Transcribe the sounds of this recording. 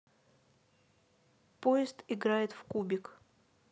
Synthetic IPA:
pojɪst̪ɪɡɾajɪt̪fkubʲɪk

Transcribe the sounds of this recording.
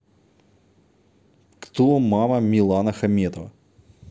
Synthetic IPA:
kt̪omɑmɐmʲilˠɑnɐxɐmʲɛt̪ɔʋɐ̰

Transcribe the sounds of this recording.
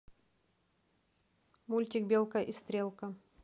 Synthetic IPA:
mulʲt̪ʲɪk̚bʲelˠkəʔist̪ɾʲelˠkɐ

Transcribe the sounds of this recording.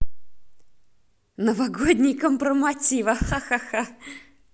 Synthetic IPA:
nəvɐɡodʲnʲɪjkəmpɾəmɐtʲivɐxaxaxa

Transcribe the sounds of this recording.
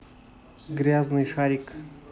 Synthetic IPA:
ɡɾʲaznɨjʂaɾʲik

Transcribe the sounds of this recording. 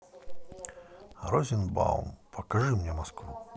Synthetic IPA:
ɾɔzʲinba̰wnpʰɐkaʐɨmnʲɛmaskvu

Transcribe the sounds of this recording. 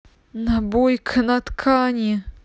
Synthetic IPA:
nabojkʰnɐt̪kʰanʲɪ

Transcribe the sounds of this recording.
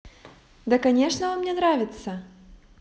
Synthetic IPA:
d̪ɐkanʲɛʂnɐvamnʲɛnɾavʲɪt̪sɐ

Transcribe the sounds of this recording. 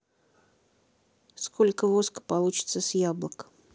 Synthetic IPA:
sko̞lʲkəvoskə̥pɐlˠut͡ɕɪ̥t̪səsʲjablˠək

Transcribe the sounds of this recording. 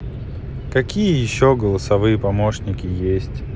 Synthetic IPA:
kɐkʲijəjɪɕːoɡəlˠəsɐvɨjəpɐmoʂnʲɪkʲɪjesʲtʲ

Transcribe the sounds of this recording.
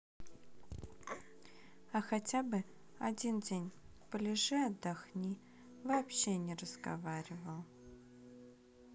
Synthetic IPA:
axɐtʲabɨ | ɐdʲindʲenʲpəlʲɪʐɛɐd̪ːaxnʲi | vɐːpɕenʲɪrəzɡɐ̰vaɾʲɪvəlˠ

